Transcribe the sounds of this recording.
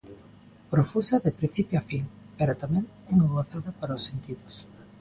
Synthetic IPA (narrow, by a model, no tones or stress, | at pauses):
pɾofusɐðepɾĩn̟θipjoafiŋ | peɾat̪amɛ̃ŋ | eŋoβoθaðapaɾaosːent̪iðos